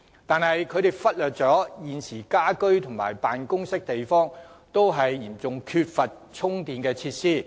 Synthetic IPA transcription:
t̪aː˨˧nɦɐ˨jkʰɵ˨˧t̪e˨jfɐ˥t̚lœː˨t̚t͡sɔː˨˥jiː˨nsiː˨˩kaː˥kɵ˥ɥt̪ʰʊ˨˩ŋma̰ː˨˩jpaː˨nkʊ˥ŋsɪ˥k̚t̪e˨jfɔː˥ŋt̪o˥wɦɐ˨jːiː˨˩mt͡sʊ˨ŋkʰy˧t̚fɐ˨t̚t͡sʰʊ˥ŋt̪iː˨˧nkɛː˧t͡sʰiː˧t̚siː˥˩

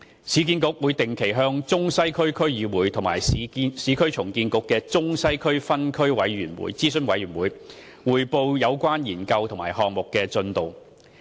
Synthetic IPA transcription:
sʰiː˨˥k̬iː˧nkʊ˨˥k̚wuː˨˧jt̪ɪ˨ŋkʰe˨˩jɦœː˧˥ŋt͡sʊ˥ŋsɐ˥jkʰɵ˥ɥkʰɵ˥ɥjiː˨wuː˨˧jt̪ʰʊ˨˩maː˨˩jsiː˨˥kʰɵ˥ɥt͡sʰʊ˨˩ŋkiː˧nkʊ˨˥kːɛː˧t͡sʊ˥ŋsɐ˥jkʰɵ˥ɥfɐ˥nkʰɵ˥ɥwɐ˨˥jɥyː˨˩nwṵː˨˥jt͡siː˥sɵ˨˧nwɐ˨˧jɥyː˨˩nwuː˨˧j | wuː˨˩jpo˧wjɐ˨˧wkʷaː˥njiː˨˩nkɐ˧wt̪ʰʊ˨˩ŋmaː˨˩jɦɔː˨ŋ̚mʊ˨kːɛː˧t͡sɵ˧nt̪o˨w

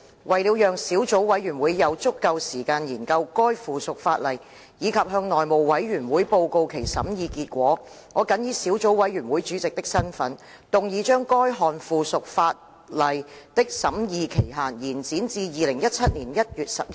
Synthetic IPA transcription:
wʔɐ˨jliː˨˧wjœː˨ŋsiː˨˥wt͡so˨˥wwɐ˨˥jɥyː˨˩nwuː˨˧jːɐ˨˧wt͡sʊ˥kːɐ˧wsiː˨˩kaː˧njiː˨˩nkɐ˧wkɔː˥jfuː˨sʊ˨k̚faː˧t̚lɐ˨j | jiː˨˧kʰɐ˨p̚ɦœː˧ŋnɔː˨jmo˨˩wwɐ˨˥jɥyː˨˩nwuː˨˥jpo˧wko˧wkʰe˨˩jsɐ̰˨˥mjiː˨˧kiː˧t̚kʷɔː˨˥ | ŋɔː˨˧kɐ˨˥njiː˨˧si˨˥wt͡so˨˥wwɐ˨˥jɥyː˨˩nwuː˨˥jt͡ʃyː˨˥t͡sɪ˨k̚t̪ɪ˥k̚sɐ˥nfɐ˨˥n | t̪ʊ˨ŋjiː˨˧t͡ʃœː˥ŋkɔː˥jɦɔː˨nfuː˨˧sʊ˨k̚faː˧t̚ | lɐ˨jt̪ɪ˥k̚sɐ˨˥mjiː˨˧kʰe˨˩jɦaː˨˩njiː˨˩nt͡siː˨˥nt͡siː˧jiː˨lɪ˨˩ŋjɐ˥t̚t͡sʰɐ˥t̚niː˨˩njɐ˥t̚jyː˨t̚sɐ˨p̚

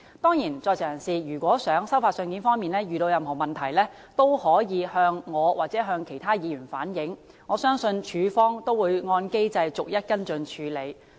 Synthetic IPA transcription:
t̪ɔː˥ŋjiː˨˩nt͡sɔː˧jt͡sʰɛː˨˩jɐ˨˩nsiː˨jyː˨˩kʷɔː˨˥sœː˨˥ŋsɐ˥wfaː˧tsœ˧ŋkiː˨˥nfɔː˥ŋmiː˨nlɛː˥jyː˨ɾo˧wjɐ˨mɦɔː˨˩mɐ˨nt̪ʰɐ˨˩jlɛː˥ | t̪o˥whɔː˨˥jiː˨˧hœː˧ŋːɔː˨˧waː˨k̚t͡sɛː˨˥ɦœː˧ŋkʰe˨˩jt̪ʰaː˥jiː˨˧jyː˨˩nfaː˨˥njɪ˨˥ŋ | ŋɔː˨˧sœː˥ŋsɵ˧nt͡ʃʰyː˨˧fɔː˥ŋt̪o˥wuː˨˧jŋɔː˧nke˥jt͡sɐ˧jt͡sʊ˨k̚jɐ˥t̚kɐ˥nt͡sɵ˧nt͡ʃʰyː˨˧le˨˧j

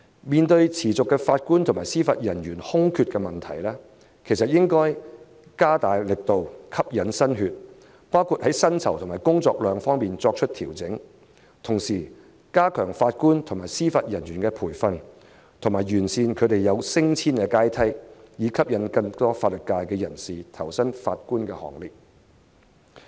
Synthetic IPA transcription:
miː˨nt̪ɵ˧ɥt͡sʰiː˨˩t͡sʊ˨kːɛː˧faː˧t̚kuː˥nt̪ʰʊ˨˩ŋmaː˨jsiː˥faː˧t̚jɐ˨˩njyː˨˩nhʊ˥ŋkʰy˧t̚kɛː˧mɐ˨nt̪ʰɐ̰˨˩jlɛː˥ | kʰe˨˩jsɐ˨t̚jɪ˥ŋkɔː˥j | kaː˥t̪aː˨jlɪ˨k̚t̪o˨wkʰɐ˥p̚jɐ˨˥nsɐ˥nhyː˧t̚ | paː˥wkʰu˧t̚hɐ˨˥jsɐ˥nt͡sʰɐ˨wt̪ʰʊ˨˩maː˨˩jkʊ˥ŋt͡sɔː˧k̚lœː˨˧ŋfɔː˥ŋmiː˨nt͡sɔː˧k̚t͡ʃʰɵ˥t̚t̪ʰiː˨˩wt͡sɪ˨˥ŋ | t̪ʰʊ˨˩ŋsiː˨˩ | kaː˥kʰœː˨˩ŋfaː˧t̚kuː˥nt̪ʰʊ˨˩ŋmaː˨˩jsiː˥faː˧t̚jɐ˨˩nɥyː˨˩nkɛː˧pʰuː˨˩jfɐ˧n | t̪ʰʊ˨˩ŋmaː˨˩jjyː˨˩nsiː˧nkʰɵ˨˧ɥt̪e˨jːɐ˨˧wsɪ˥ŋt͡sʰiː˥nkɛː˧kaː˥jt̪ʰɐ˥jjiː˨˧kʰɐ˥p̚jɐ˨˥nkɐ˧ŋt̪ɔː˥faː˧t̚lɵ˨t̚kːaː˧jkɛː˧jɐ˨˩nsiː˨t̪ʰɐ˨˩wsɐ˥nfaː˧t̚kuː˥nkɛː˧hɔ̰ː˨ŋlɪ˨k̚

